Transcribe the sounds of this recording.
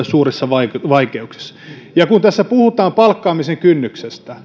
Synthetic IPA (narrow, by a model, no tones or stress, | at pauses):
suːresːɑʋɑikʋɑikeuksi̥sːɑ̥ | jɑkunt̪æsːæpuhut̪ɑːmpɑlkːɑːmiseŋkynːyksest̪æ